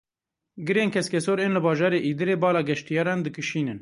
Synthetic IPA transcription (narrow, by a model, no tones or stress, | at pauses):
ɡɨɾeːnkʰɛskʲɛsoːɾeːnlɨbɑːʒɑːɾeːʔiːd̪ɨɾeːbɑːlɑːɡɛʃt̪ijɑːɾɑːnd̪ɨkɨʃiːnɨn